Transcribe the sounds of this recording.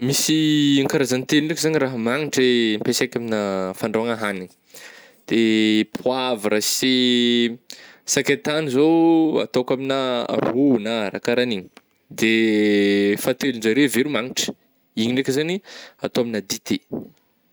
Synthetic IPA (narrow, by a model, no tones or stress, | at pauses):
misiaŋkaɾazanit̪elinɖ͡ʐekzaɲiraɦəmaŋiʈ͡ʂəempesajkʲaminəfaɳɖ͡ʐoaŋaɦaniɲi̥ | d̪̥epʰwavɾasi | sakʲat̪anizoa̰t̪okamina̰runaɾa̰kaɾaniɲi̥ | d̪e | fat̪elunzaɾeveɾumaŋiʈ͡ʂə̥ | iɲiɖ͡ʐekezaniat̪oaminad̪it̪ʰe